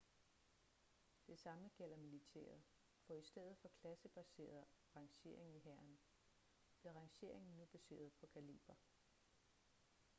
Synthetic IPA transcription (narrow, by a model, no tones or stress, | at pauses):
d̥e̝sɑ̈məɡ̥el̰ɐmilit͡sʰḛːɐð̩ˠ | fɒ̽isd̥eð̰ˠð̩ˠfɒ̽kʰlæsəb̥æse̝̰ːɐðˠʁɑ̈ŋɕe̝̰ɐe̝ŋn̩iɦæɐn | b̥liɐʁɑ̈ŋɕe̝̰ɐ̰eŋn̩nub̥æse̝̰ːɐð̞ˠpʰɒ̽kʰælḭːb̥æ